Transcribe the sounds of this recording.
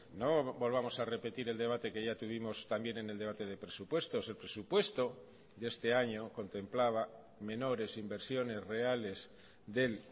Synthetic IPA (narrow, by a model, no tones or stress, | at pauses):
nobo̞lβamo̞sare̞pe̞t̪iɾeld̪eβ̞at̪e̞keʝat̪uβ̞imo̞st̪ambje̞nene̞ld̪e̞βat̪e̞ðe̞pɾesupwe̞st̪o̞selpɾe̞supwe̞st̪o̞ | d̪est̪e̞aɲoko̞nt̪emplaβ̞a | me̞no̞ɾe̞simbe̞ɾsjo̞ne̞zre̞ale̞z | ðe̞l